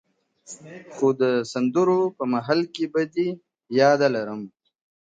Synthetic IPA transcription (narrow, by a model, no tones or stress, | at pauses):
xod̪əsɐnd̪uɾopəmaɦalkebad̪i | jɑːd̪alaɾəm